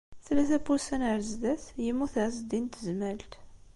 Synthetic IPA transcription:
θlæθæpulsænəɾzd̪æθjəmːuθʕzd̪int̪əzmælt̪

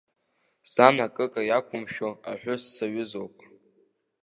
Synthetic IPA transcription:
sanakʼɨkʼajakʷʰʊmʃᶣoaħʷᶣʊsːaɥʊzo̞wpʼ

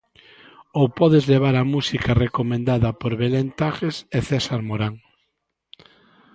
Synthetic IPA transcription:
owpɔðezleβ̞aɾamusikarekomẽnd̪aðɐpoɾβelent̪aɣeseθɛsaɾmoɾaŋ

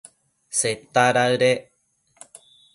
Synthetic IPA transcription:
set̪aɾaɰɾe

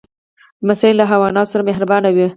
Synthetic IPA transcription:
d̪əmasɑjlːaɦawɑnɑt̪osaɾameɦɾabɑnawi

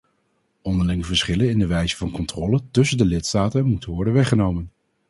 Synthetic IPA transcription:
ɔndəɹlɪŋəvəɹsχɪlənɪndəʋɛjzəvɑnkɔntrɔːlətɵsəndəlɪtstaːtənmutənʋɔɹdənʋɛχənowmən

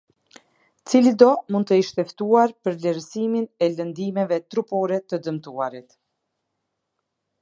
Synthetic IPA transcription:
t͡silid̪ɔmund̪t̪əiʃt̪ɛft̪uaɾpəɾvlɛɾsiminɛlənd̪imɛvɛt̪ɾupɔɾɛt̪əd̪əmt̪uaɾit̪

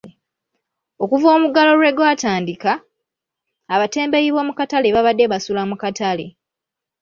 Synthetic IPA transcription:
o̞kuvo̞ːmuɡalo̞lwe̞ɡwaːtaːndika | βate̞ːmbe̞jiβo̞ːmukatale̞βaβadːe̞βasulamukatalḛ

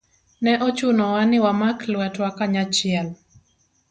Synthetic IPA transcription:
nɛʔɔt͡ʃunɔwanɪwamaklwatwakaɲat͡ʃɪɛl

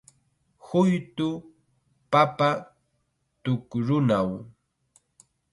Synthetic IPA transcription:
hʊjt̪ʊ | papa | t̪ʊkɾʊnaw

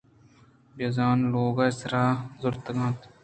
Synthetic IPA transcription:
bɐzaːnloːɡaːsɾaːzʊɾt̪ɡãːt̪

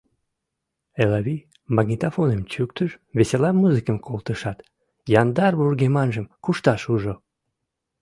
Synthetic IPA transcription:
elɑβi | mɑɡnʲit̪afonemt͡ɕyk̚t̪əʃβeselɑmːuzɨkəmkʰolˠt̪əʃɑt̪ | jɑnd̪ɑrβurɡemɑnʒəmkuʃt̪ɑʃuʒo

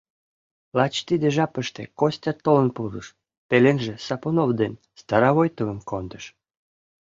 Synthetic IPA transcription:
lɑt͡ɕt̪id̪ĕʒɑpəʃt̪ḛkosʲtʲɑt̪ːolənpuɾəʃ | pelenʒesɑponovd̪en | st̪ɑɾɑβojt̪əvəmkond̪əʃ

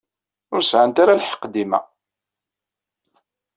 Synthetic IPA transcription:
ʊɾsʕant̪aɾalħə̥qːd̪imæ̰

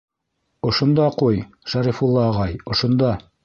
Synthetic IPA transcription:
ŏʃŏnd̪ɑquj | ʃæɾifulˠːɑːʁɑjŏʃŏnd̪ɑ

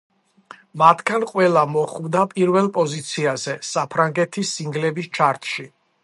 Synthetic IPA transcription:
mat̪ʰɡanqʼwɛlˠamɔχvd̪apʼiɾvɛlˠpʼɔzit̪sʰiazɛsapʰɾaŋɡɛt̪ʰisːiŋɡlɛbist͡ʃʰaɾt̪ʰʃi

